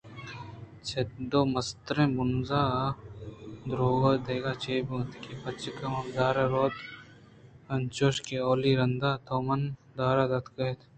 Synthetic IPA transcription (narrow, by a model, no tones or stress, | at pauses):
t͡ʃʰed̪oːmɐst̪ɾẽːbʊnzaː | d̪ɾoːɡod̪eːɡaːt͡ʃeːbt̪kipɐt͡ʃəkɐmɐkd̪aːɾeɾoːt̪ | ɐnt͡ʃoːʃkeoːliɾɐnd̪aːt̪ʰoːmɐnd̪aːɾaːd̪ɐt̪kɐet̪ʰ